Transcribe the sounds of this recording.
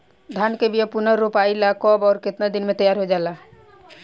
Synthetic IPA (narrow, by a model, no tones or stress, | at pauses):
d̪ʱankebijapunəɾːopaːilakɔbɔːɾkɪt̪nad̪inmet̪əjaɾɦod͡ʒala